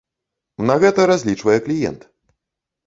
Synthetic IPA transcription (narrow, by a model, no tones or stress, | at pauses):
nɐɣɛt̪ɐɾazʲlʲit͡ʂvɐjɛklʲijɛ̰nt̪